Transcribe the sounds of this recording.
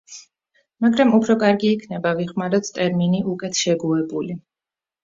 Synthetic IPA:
maɡɾamupʰɾɔkʼaɾɡiːkʰnɛbaviχmaɾɛt̪ʰt̪ʼɛɾminiʔukʼɛt̪ʰʃɛɡuɛbuli

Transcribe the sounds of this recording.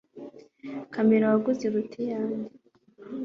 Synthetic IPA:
kameɾawaɡuziɾutʰijaːɲi

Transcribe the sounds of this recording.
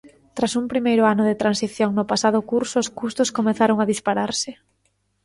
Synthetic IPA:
t̪ɾasumpɾimejɾʊanʊðɪt̪ɾansiθjoŋnʊpasaðʊkuɾsʊːskust̪ʊskomeθaɾoŋaðispaɾaɾsɪ

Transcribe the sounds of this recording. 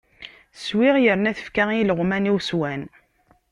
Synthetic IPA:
swɪʁjəɾnæθə̥fkæiləʁmæniwswæn

